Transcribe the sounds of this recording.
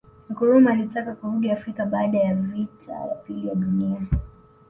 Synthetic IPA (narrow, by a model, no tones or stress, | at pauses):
makɔɾumaːlitakakuɾuɡɛafɾikaɓaːɗajavitʰa̰ja̰pilijaɗunia